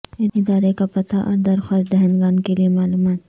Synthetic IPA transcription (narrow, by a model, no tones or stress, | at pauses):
ɪnɪd̪aːɾekapɐt̪aʔɔ̰ːɾd̪ɐɾxaːst̪̚d̪ɛɦɛnɡaːnkeliemaːluːmaːt̪